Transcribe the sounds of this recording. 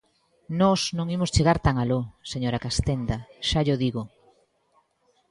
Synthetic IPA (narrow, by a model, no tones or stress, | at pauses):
nɔsnõŋimʊst͡ʃeɣaɾt̪aŋaloseɲoɾakast̪end̪ɐʃaʎoðiɣo